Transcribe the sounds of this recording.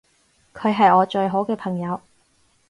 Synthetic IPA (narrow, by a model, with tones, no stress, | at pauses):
kʰɵ˨˧ɥɦɐ˨jɔː˨˧t͡ʃɵ˧ɥɦo˨˥wkɛː˧pʰɐ˨˩ŋjɐ˨˧w